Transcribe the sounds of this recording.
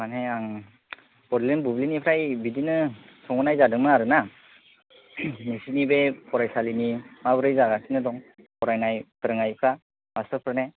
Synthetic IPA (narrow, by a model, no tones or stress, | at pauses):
maneaŋ | bɔɾlinbublinipʰɾajbidinɯ | sɔŋɔnajzadɯŋmɯaɾɯna | nisinibepʰɔɾajsalinimabɯɾɯjzaɡasʰinɯdɔŋ | pʰɔɾajnajpʰɯɾɯŋajpʰɾa | masɯpʰɾɯne